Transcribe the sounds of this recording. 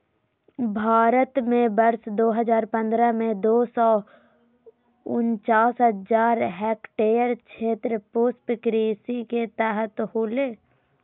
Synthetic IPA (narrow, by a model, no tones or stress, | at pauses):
bʱaːɾət̪mẽbəɾsd̪oːɦəzaːɾpə̃nd̪ɾamẽd̪oːsɔ | ʊnt͡ʃaːsɦəd͡ʒaːɾɦɛːkʈeːjəɾt͡ʃʃʰeːt̪ɾəpʊspkɾiːsiket̪aːɦət̪holeː